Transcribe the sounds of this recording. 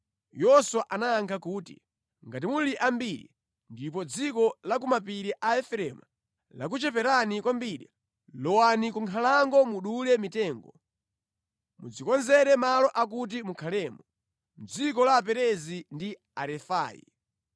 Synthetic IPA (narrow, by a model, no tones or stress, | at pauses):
jɔswaʔanaːŋkʰakuːtḭ | ŋɡat̬imuliʔambiɾḭ | ndip̬ɔd͡zikɔlak̬umapiɾiʔaɛfɾɛma | lak̬ut͡ʃɛpɛɾanikwambiːɾḭ | lɔwanikuŋkʰalaŋɡɔmuɗulɛmitɛːŋɡɔ̰ | mṵd͡zikɔnzɛɾɛmalɔʔak̬ut̬imukʰalɛːmu | m̩d͡zikɔlaːp̬ɛɾɛzindi | aɾɛfaːjḭ